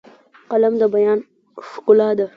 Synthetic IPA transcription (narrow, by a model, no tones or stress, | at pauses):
qalamd̪əbajɑːn | ʂqʊlɑd̪a